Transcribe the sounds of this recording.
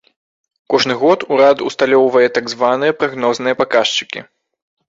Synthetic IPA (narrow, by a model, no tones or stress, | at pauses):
kɔʐnɨɣɔt̪uɾat̪ust̪alʲɔwvɐjɛt̪aɡzvanɨjɛɐpɾaɣnɔznɨjɐpakaʂt͡ʂɨ̥kʲḭ